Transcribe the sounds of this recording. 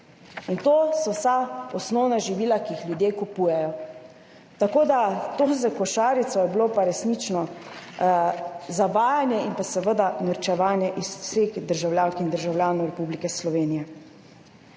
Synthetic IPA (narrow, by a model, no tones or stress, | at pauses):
int̪oːsɔwsaɔsnɔwnaʒiʋiːlakijixljud̪jeːkupuːjɛjɔ | t̪akoːd̪at̪ozakɔʃaːɾit̪sɔjɛblopaɾɛsnit͡ʃnɔ | zaʋaːjanjɛinpasɛʋəd̪anəɾt͡ʃɛʋaːnjɛʔissexd̪əɾʒawlʲjaːnkind̪əɾʒawlʲjaːnɔwɾɛpublikɛslɔʋeːnijɛ